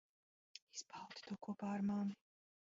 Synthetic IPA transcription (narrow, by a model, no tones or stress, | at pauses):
isbʰalˠt̪ʰi̥d̪ʰɔkʰɔbaːɾmami